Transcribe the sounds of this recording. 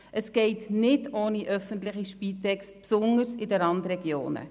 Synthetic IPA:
ʔəsɡ̥ɛɪtnɪdoːniʔœfəntlɪχiʃpiːtɛkspsʊnəɾsɪdɛɾɑndɾɛɡjo̰ːnə̰

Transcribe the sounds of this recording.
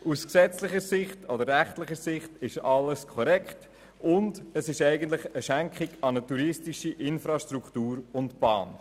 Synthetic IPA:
ʔusksɛt͡slɪχəɾsɪχtʰɔdəɾːæχtlɪχəɾsɪχtɪʃɑləskʰɔɾɛkχt | ʊndəsɪʃɛɪɡən̩t̬lɪχəʃæŋkʰχiɡɑnətuɾɪstiʃiʔɪnfɾɑʃtɾuktuːɾʊntb̥ɑ̰ːn

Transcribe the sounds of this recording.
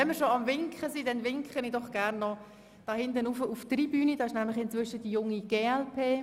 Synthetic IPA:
ɛnmɪɾʃoɑmvɪŋkχəsidɛnvɪŋkχənidɔχɡ̥ærnːɔ | d̥ɑːhɪndənufəʔuftribyːnid̥ɑːɪʃnæmlɪχɪnt͡sʋʏʃədijʊŋːiɡ̥eːɛlpʰeː

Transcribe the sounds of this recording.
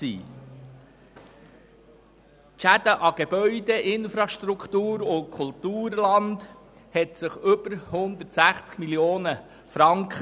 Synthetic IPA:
ḭː | ʃæd̥̪əʔɑɡ̥eb̥œʏd̪eʔɪnfɾɑʃtɾukχt̪uːɾʊkʰʊlt̪uːɾlɑnd | hɛt̪səχɵb̥əɾhʊnd̪ətsæχt͡skmiljoːnə | fɾɑŋkχ

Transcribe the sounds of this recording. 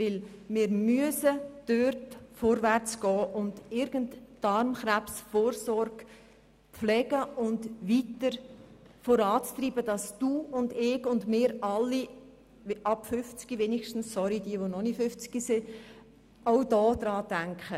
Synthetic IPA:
vɪlmɪːɾmyəsəd̥øɾtfɔɾvæɾt͡sɡ̥ɔːʔʊndɪɾɡ̥əntːɑɾmχɾæpsfoːɾsɔɾɡ̥ | flɛɡ̥əʔʊndʋitəɾ | fɔɾɑːt͡st̪ɾiːbəd̥ɑsd̥uːʊndɪɡʊndmɪːɾɑlːi | ʔɑpfʏft͡sɡ̥iveːniʃtn̩sːɔɾid̥iəʋonɔnifʏft͡sɡ̥isɪ | awdɔːd̪̥ɾɑːdæŋkχə

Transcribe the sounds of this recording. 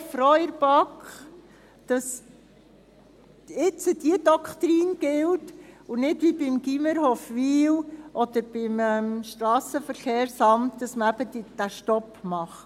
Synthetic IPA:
fɾɔjəɾb̥ɑkχ | d̥ɑs | ɪt͡səd̥iədɔkt̪ɾiːnɡ̥ɪltunɪdʋibɪmɡiməɾhofʋiːlʔɔd̪̥əɾb̥ɪmɛmʃt̪ɾɑːsəfəɾχeːɾsɑmtd̥ɑsməæbədd̥æʃtɔpmɑχ

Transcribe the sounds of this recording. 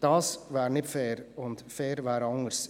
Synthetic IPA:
d̥ɑːsvaːɾnɪtfɛːɾʊndfɛːɾvæːɾɑŋəɾs

